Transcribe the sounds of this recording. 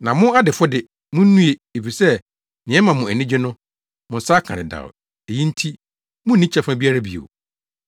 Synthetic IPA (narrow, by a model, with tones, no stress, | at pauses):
nã˨mʊ̃˦a˦dɪ˨fɔ˦dɪ˨ | mʊ̃˦nũ˦e˨e˨fi˨sɛ˦ | nɪ̃˨ɛ˦mã˨mʊ̃˨æ˨nĩ˦d͡ʑᶣɪ˦nʊ̃˦ | mʊ̃˨n̩˨saː˦kʰã̰˨ɾɪ̰̃˨da̰˨w | e˨ji˦n̩˦tʰi˦ | mʊ̃˦n˨nĩ˦t͡ɕʰɛ˦fã˦bi˦a˦ɾa˦bḭ˨o̰˨